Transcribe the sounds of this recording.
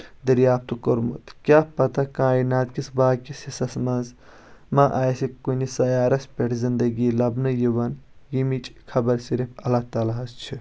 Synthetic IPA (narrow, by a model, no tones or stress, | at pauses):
d̪ɐɾjaːp̚t̪ukoɾmṵt̪kʲjaːpɐt̪ɐkãːinaːt̪kisbaːkisisɐsmɐ̃nz | maʔaːjsikunisɐjaːɾɐspʲeʈʰzind̪ɐɡilɐbnɐjiʋɐnjimit͡ʃʼkʰɐbɐɾsiɾipʰɐlat̪ɐlaɦɐst͡ʃʰi